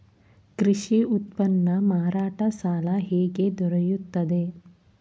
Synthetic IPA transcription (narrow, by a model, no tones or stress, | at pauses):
kɾiʃiut̪pɐnːɐmaːɾaːʈɐsaːlɐɦeːɡed̪ɔɾɐjut̪ːɐd̪e